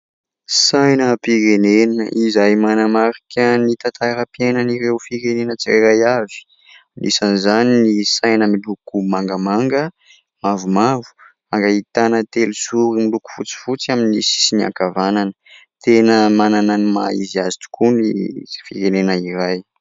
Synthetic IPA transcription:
sajnəpiɾenenəʔizajmanamaɾikʲənit̪at̪aɾapienəniɾewfiɾenenət͡siaɾajavi̥ | inʔisanizaninisajnəmilukumaŋɡəmaŋɡə | mavumavu̥ | maŋɡait̪anət̪elusuɾimiluku̥fut͡si̥fut͡siaminisi̥sinia̰kavananə̥ | t̪enəmanananima̰ḭziazi̥t̪u̥kʰunifiɾenenəiɾaj

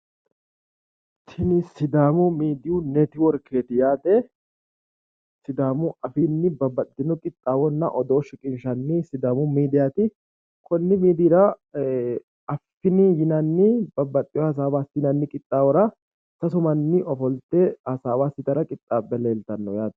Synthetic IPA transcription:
t̪ʰːɪnɪsɪd̪aːmʊmiːd̪ɪjʊnɛt̪ɪwɔɾkʰe̞ːt̪ɪjaːd̪ɛ | sɪd̪aːmʊʔɐfɪnːɪbɐbːɐt̪ːɪnʊkʼɪt̪ʼːaːwɔnːɐʔɔd̪o̞ːʃɪkʼɪnʃɐnːɪsɪd̪aːmʊmiːd̪ɪjat̪ɪ | kʰɔnːɪmiːd̪iːɾɐ | ɐfːɪnɪjɪnɐnːɪbɐbːɐt̪ʼːɪjɔhɐs̬aːbaːsɪnɐnːɪkʼɪt̪ʼːaːwɔɾɐ | sɐsʊmɐnːɪʔɔfɔlt̪ɛhɐsaːbaːsɪt̪ɐɾɐkʼɪt̪ʼːaːbːɛle̞ːlt̪ɐnːɔjaːt̪

